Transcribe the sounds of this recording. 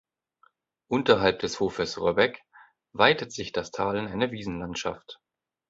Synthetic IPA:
ʔʊntɐɦalp̚d̥ɛshoːfəsʁɔbɛk | vaɪtətz̥ɪçd̥astʰaːlənaɪnəviːzn̩lantʃa̰ft

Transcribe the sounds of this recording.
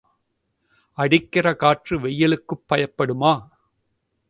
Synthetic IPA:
ɐɽɪkːɪrɐkaːʈrɯʋɛjːɐlɯkːɯpːɐjɐpːɐɽɯmaː

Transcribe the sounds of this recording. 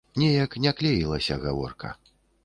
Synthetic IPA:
nʲɛjɐknʲaklʲɛjilˠɐsʲɐɣa̰vɔ̰rkʰɐ̰

